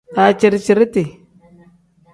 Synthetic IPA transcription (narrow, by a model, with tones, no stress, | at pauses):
a˨t͡ʃi˨ɾt͡ʃi˨ɾi˦ti˨